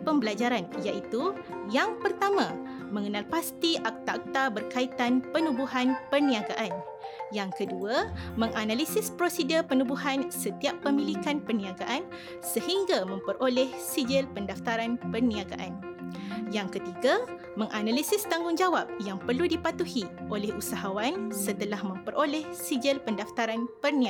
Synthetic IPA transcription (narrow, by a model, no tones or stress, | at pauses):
pəmbəlad͡ʒaɾanjaʔit̪u | jaŋpərt̪amã | mə̃ŋənalpast̪iʔak̚t̪aʔak̚t̪abərkait̪anpənubuɦanpərnĩaɡaʔan | jaŋkəduamə̃ŋʔanãlisɪspɾosidəpənubuɦansət̪iapːəmĩlikanpərnĩaɡaʔan | səhiŋɡamə̃mpəɾʔolɛhsid͡ʒəlpəndaft̪aɾanpərnĩaɡa̰ʔan | jaŋkət̪iɡa | mə̃ŋʔanalisɪst̪aŋɡʊŋd͡ʒawap̚jaŋpərludipat̪uhiʔolɛhusaɦawansət̪əlahmə̃mpəɾʔolɛhsid͡ʒəlpəndaft̪aɾanpərnĩa